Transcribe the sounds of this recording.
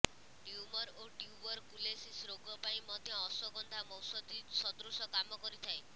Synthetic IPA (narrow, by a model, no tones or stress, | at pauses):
ʈjumɔɾoʈjubɔɾkulesisɾoɡɔpaĩmɔd̪ʱjɔːsɔɡɔnd̪ʱamɔwsɔd̪isɔd̪ɾusɔkamɔkɔɾit̪ʰae